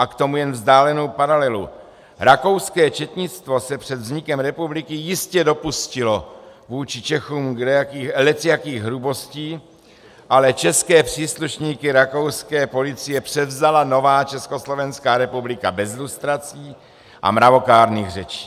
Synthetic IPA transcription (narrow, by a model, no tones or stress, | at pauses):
ʔakt̪o̞mujɛnvzdaːlɛnowpaɾalɛlu | ɾako̞wskɛːt͡ʃɛt̪ɲɪt͡st̪vo̞sɛpr̥ɛd̪vzɲɪkɛmɾɛpublɪkɪjɪscɛdo̞puscɪlo̞vuːt͡ʃɪt͡ʃɛxuːmɡɛjakiːlɛt͡sjakiːɣɦɾubo̞sciː | ʔalɛt͡ʃɛskɛːpr̝̥iːsluʃɲiːkɪɾako̞wskɛːpo̞lɪt͡sɪjɛpr̝̥ɛvzalano̞vaːt͡ʃɛskoslo̞vɛnskaːɾɛpublɪkabɛzɪlust̪ɾat͡siː | ʔa̰mɾavo̞kaːɾniːɣr̝ɛt͡ʃi̥ː